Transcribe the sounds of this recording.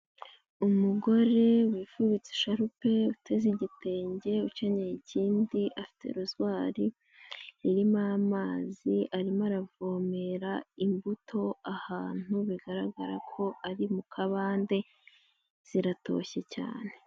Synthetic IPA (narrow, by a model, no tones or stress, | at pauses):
umuɡo̞ɾe̞wiːfuβit͡se̥ʃaɾupe̞utʰe̞ziɟite̞ːɲɟe̞ut͡ʃaɲejiciːndiʔafi̥te̞̰ɾuzwaːɾi | iɾimamaːziʔaɾimaɾavomeɾaimbutʰo̞ahaːn̥uβiɡaɾaɡaɾakʰo̞ʔaɾimukʰaβaːnde̞ | z̥iɾato̞̰çe̞ca̰ːne̞